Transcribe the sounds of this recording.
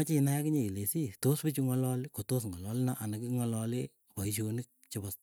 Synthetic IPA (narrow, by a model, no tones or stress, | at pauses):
at͡ʃinajakɪɲeilesitospɪt͡ʃuŋɔlɔlkotos̬ŋɔlɔlnaʔanakiŋɔlɔlɪ | pɔiʃonɪk̚t͡ʃɪbɔs